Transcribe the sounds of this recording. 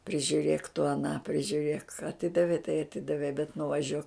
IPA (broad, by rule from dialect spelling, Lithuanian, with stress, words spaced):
pʲrʲɪʒʲʊˈrʲeːk tʊ ɐˈnɑː pʲrʲɪʒʲʊˈrʲeːk ɐˈtʲɪdɐʋʲɛɪ tɐɪ ɐˈtʲɪdɐʋʲɛɪ bʲɛt nʊʋɐˈʒʲuɔk